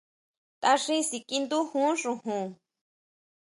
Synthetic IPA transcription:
t̪a˧ʂĩ˦si˧kʼi˧nd̪u˦hũ˦ʂũ˧hũ˧˨

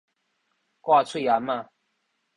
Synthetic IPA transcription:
kwa˥˧t͡sʰu˥˩ja˨ma˥˨

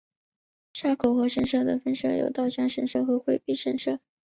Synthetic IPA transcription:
ʂa˥˩kʰo˨˩ʊxɤ˧˥ʂə˧˥nʂɤ˥˩d̪ə˩fə˥nʂɤ˥˩jo̰˨˩ʊt̪ɑ˥˧ʊɕjɑ˥˩ŋʂə˧˥nʂɤ˥˧xə˧˥xwe˥˧ɪpi˥˧ʂə˥˩nʂɤ˥˩

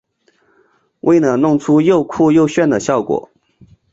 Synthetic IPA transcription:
wʔe˥˩ɪnə˨˩nʊ˥˩ŋʈ͡ʂʰu˥jo˥˧ʊkʰu˥˧jo˥˧ʊɕɥɛ˥˩nd̪ə˩ɕjɑ˥˩ʊkwɔ̰˨˩˦

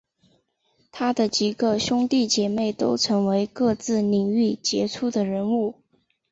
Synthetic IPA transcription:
t̪ʰa˥d̪ə˨t͡ɕi˨˩ɡə˧ɕjʊ˥ŋt̪i˥˩t͡ɕjɛ˨˩me˥˩ɪt̪o˥ʊʈ͡ʂʰɤ˧˥ŋwe˧˥ɪkɤ˥˧t͡sɹ̩˥˩ni˨˩ŋy˥˩t͡ɕjɛ˧˥ʈ͡ʂʰu˥˩d̪ə˩ɻə˧˥nu˥˩

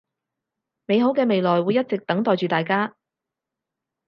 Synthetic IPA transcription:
me˨˧jɦo˨˥wkɛː˧me˨jlɔː˨jwuː˨˧jɐ˥t̚t͡sɪ˨k̚t̪ɐ˨˥ŋt̪ɔː˨˩jt͡ʃyː˨t̪aː˨jkaː˥

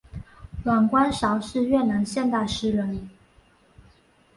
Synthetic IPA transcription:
lwa˨˩nkwa˥nʂɑ˧˥ʊʂɻ̩˥˧ɥɛ˥˩na˧˥ŋɕjɛ˥˧nt̪a˥˩ɪʂɻ̩˥ɻə˧˥n

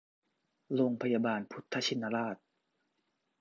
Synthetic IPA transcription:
ɾoː˧ŋpʰa˧ja˧baː˧npʰu˧˦t̪ʰːa˧t͡ɕʰi˧nːa˧laː˥˩t̪̚

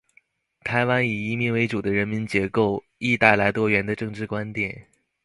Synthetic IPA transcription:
t̪ʰa˧˥ɪwa˥ni˨˩i˧˥mi˧˥˩nwe˧˥ɪʈ͡ʂu˨˩d̪ə˦ɻə˧˥nmi˧˥nt͡ɕjɛ˧˥ko˥˩ʊ | i˥˧t̪a˥˩ɪla˧˥ɪt̪wɔ˥ɥɛ˧˥nd̪ə˧ʈ͡ʂɤ˥˧ŋʈ͡ʂɻ̩˥˩kwa˥nt̪jɛ˨˩˦n

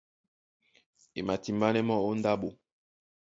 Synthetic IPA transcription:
e˨ma˨ti˨mba˦nɛ˦mɔ˦o˦n˦da˦bo˨

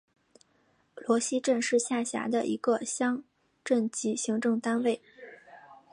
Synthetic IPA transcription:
lwɔ˧˥ɕi˥ʈ͡ʂə˥˧nʂɻ̩˥˧ɕja˥˩ɕja̰˧˥d̪ə˧ʔḭ˧˥ɡə˧ɕjɑ˥ŋ | ʈ͡ʂə˥˩nt͡ɕi˧˥ɕi˧˥ŋʈ͡ʂɤ˥˩ŋt̪a˥nwe˥˩ɪ

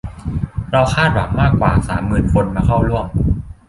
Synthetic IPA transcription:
ɾa˧wkʰaː˥˩t̪̚wa˩˦ŋmaː˥˩kːwa̰ː˨˩saː˩˦mːɯː˧˩nkʰo˧nmaː˧kʰa˥˩wlu˥˩əm

